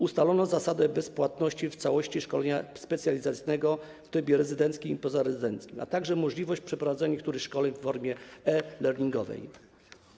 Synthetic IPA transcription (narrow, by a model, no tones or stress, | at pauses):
ust̪alɔnɔzasad̪ɛbɛspwat̪nɔɕt͡ɕift̪sawɔɕt͡ɕiʂkɔlɛɲaspɛt̪sʲjalʲizat̪sijnɛɡɔ | ft̪ɛbʲjɛɾɛzɘd̪ɛnt̪skʲimipɔzaɾɛzɘd̪ɛnt̪skʲima̰t̪aɡʐɛmɔʐlʲivɔɕt͡ɕpʂɛpɾɔvad̪zɛɲɛk̚t̪uɾɘxʂkɔlɛɲfːɔɾmʲjɛɛlɛɾɲiŋɡɔ̰vɛ̰j